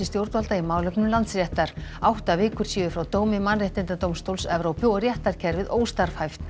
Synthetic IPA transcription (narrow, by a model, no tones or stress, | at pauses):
ɪst̪jowɾt̪valt̪aimaːwlœpnʏlant̪srjɛht̪aɾ̥awht̪avɪːkʏɾ̥siːvʏfɾawt̪oːwmɪmanrɪht̪ɪnt̪at̪owmst̪owlsɛvɾowpʏɔrjɛht̪aɾ̥cʰɛɾvɪðʔoːwst̪aɾ̥fhajft̪